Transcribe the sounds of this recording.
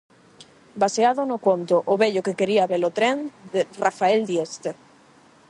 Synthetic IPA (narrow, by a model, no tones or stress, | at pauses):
baseaðʊnʊkont̪ʊʔoβeʎʊkekeɾiaβelot̪ɾend̪erafaeld̪jest̪e